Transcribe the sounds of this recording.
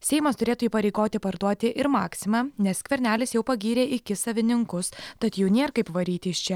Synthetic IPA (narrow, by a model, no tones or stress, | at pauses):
sʲɛɪmɐst̪ʊɾʲeːt̪uiːpɐɾʲɛɪɡoːt̪ʲɪpɐɾd̪uɔt̪ʲɪʔɪɾmɑːksʲɪmɑːnʲɛskʋʲɛɾʲnʲæːlʲɪsjɛʊpɐɡʲiːɾʲeːʔɪkʲɪsɐʋʲɪnʲɪŋkʊst̪ɐt̪juːnʲeɛɾkɐɪpʋɐɾʲiːt̪ʲɪst͡ʃʲɛ